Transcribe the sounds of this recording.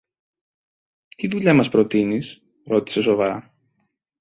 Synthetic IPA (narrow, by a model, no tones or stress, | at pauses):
t̪iðuʎɐmɐspɾo̞t̪inis | ɾo̞t̪i̥se̞s̬o̞vɐɾɐ